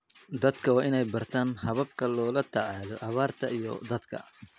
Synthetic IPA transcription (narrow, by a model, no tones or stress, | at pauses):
d̪ɐd̪kʰɐwɑːʔɪnɛjbɐrt̪ʰaːnhɐβɐb̚kʰɐlɔːlɐt̪ʰɑʕɑːlɔʔɐβaːrt̪ʰɐʔijɔ̰d̪ɐd̪kʰɐ̰